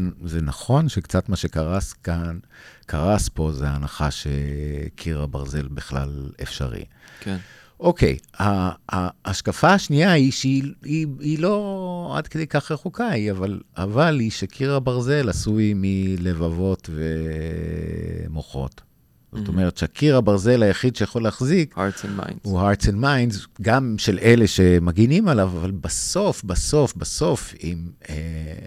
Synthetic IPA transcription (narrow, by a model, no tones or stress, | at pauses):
nzenaχo̞nʃekt͡sat̪maʃekaʁaskankʰaʁaspo̞zeanaχaʃḛkʰiʁabaʁze̞lbiχla̰lḛfʃa̰ʁḭ | k | ʔo̞ke̞̰jhaː | ʃkafaaʃniaiʃiiilo̞a̰dked̪ejkaχʁeχukaiavalavaliʃakʰiʁabaʁze̞lasuimile̞vavo̞tve | moχo̞̰t | z̥ot̪omeʁet̪ʃakʰiʁhabaʁze̞lajaχid̪ʃejaχo̞leaχzikhasnma̰jnuɦaʁtsenmajnzɡamʃelʔeleʃemaɡinimalavavalbaso̞fbaso̞fbaso̞fime